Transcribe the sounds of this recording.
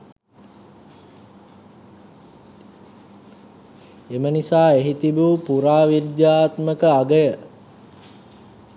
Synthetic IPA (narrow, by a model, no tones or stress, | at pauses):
emənisaːeɦit̪ibupuɾaːʋid̪jaːt̪məkəaɡəjə